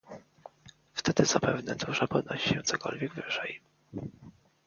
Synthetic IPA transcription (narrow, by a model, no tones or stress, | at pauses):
ft̪ɛd̪ɘzapɛvnɛd̪uʐapɔd̪̚nɔɕi̥ɕɛt̪sɔkɔ̰lvʲjɛɡvɘʐɛj